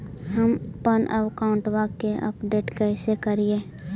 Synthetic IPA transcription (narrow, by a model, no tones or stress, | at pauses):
ɦəmpənʔə̰wkaʊ̃ɳʈʋakeʔə̰pɖeːʈkɛɪsekəɾieː